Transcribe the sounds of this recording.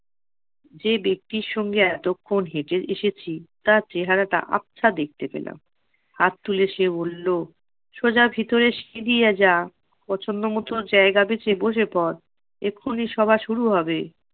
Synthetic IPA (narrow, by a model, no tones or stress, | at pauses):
d͡ʑebek̚t̪iɾʃɔŋɡeɛt̪okʰːonɦeʈeeʃet͡ɕʰit̪at͡ɕeɦaɾaʈa̰ʔa̰pːt͡ɕʰad̪ek̚t̪epḛla̰m | hat̪ːuleʃebolːo | ʃod͡ʑabʱit̪oɾeʃed̪ijad͡ʑa | pɔt͡ɕʰonːomot̪od͡ʑaeɡabet͡ɕeboʃ̬epɔɾ | ekʰːoniʃɔbʱaʃuɾuɦɔbe